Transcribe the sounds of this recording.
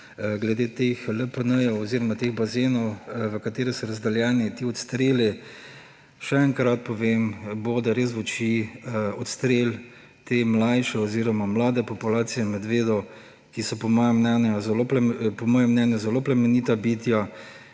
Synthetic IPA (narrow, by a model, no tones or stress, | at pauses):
ɡlɛd̪et̪exləpənəjɛwɔziːɾɔmat̪eɣbazeːnɔwʋəkat̪eːɾɛsɔɾazd̪ɐljɛːnit̪iːɔt̪st̪ɾeːli | ʃɛɛŋkɾat̪̚pɔʋembod̪aɾeːs̬ʋɔt͡ʃiɔt̪st̪ɾeːl | t̪eːmlajʃɛɔziːɾɔmamlaːd̪ɛpɔpulaːt̪sijɛnmɛd̪ʋeːd̪ɔw | kisɔpɔmɔːjɔmnɛnjazɛloplpɔmɔːjɛmnɛnjuzɛloplɛmɛniːt̪abit̪ja